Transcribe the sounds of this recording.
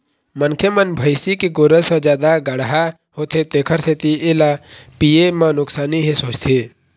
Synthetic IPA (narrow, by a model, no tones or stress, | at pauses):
mənkʰjəmənbʱəɪsikeɡoːɾəsəd͡ʒjaːd̪aɡəɽɦa | hoːt̪ʰet̪eːkʰəɾset̪ielapijemãnʊksaːniɦĩsoːt͡ʃt̪ʰeː